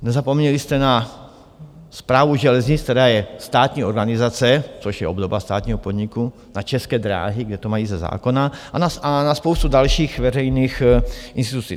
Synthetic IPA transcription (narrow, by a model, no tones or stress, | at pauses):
nɛzapomɲɛlist̪ɛna | spɾaːvuʒɛlɛzɲɪt͡skt̪ɛɾaːjɛst̪aːt̪ɲiːoɾɡanɪzat͡sɛt͡soʃjɛobd̪obast̪a̰ːt̪ɲiːɦopod̪ɲiku | nat͡ʃɛskɛːd̪ɾa̰ːɦiɡdɛt̪omajiːzɛza̰ːkonaanaanaspowst̪udalʃiːxvɛrɛjniːxʔinst̪it̪ut͡siː